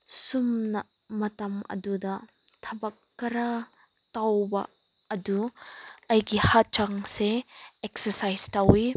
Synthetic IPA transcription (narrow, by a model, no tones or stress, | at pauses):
sumnɐ | mɐtɐmɐ̰dudɐ | tʰɐbɐkːɐɾa | tawbɐ̰ː | du | ɐjɡihat͡ʃaŋseeksɐsajstawi